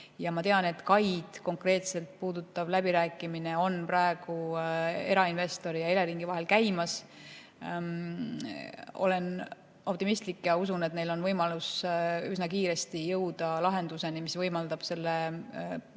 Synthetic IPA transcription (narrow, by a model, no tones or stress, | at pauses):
jɑmɑt̪e̞ɑne̞t̪kɑjd̪̥ko̞ŋkre̞ːt̪se̞lt̪̚puːd̪̥ut̪ːˑɑvlæbiɾæːkːˑimineo̞nprɑe̞ɡ̥ue̞ɾɑinve̞st̪o̞ɾijɑele̞ɾiŋɡ̥ivɑɦe̞lkæjmɑs | o̞̰le̞n | o̞p̚t̪imist̪likːjɑusune̞t̪nelo̞nvɤjmɑlusysnɑkiːɾe̞st̪ijɤwd̪ɑlɑɦe̞nd̪̥use̞nimisvɤjmɑld̪̥ɑb̥se̞lːe